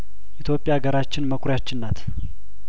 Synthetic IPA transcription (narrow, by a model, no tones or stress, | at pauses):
ʔit̪ʰjo̞pʼjaɡəɾat͡ʃːɪnməkʷʰɾjat͡ʃːɪnːat̪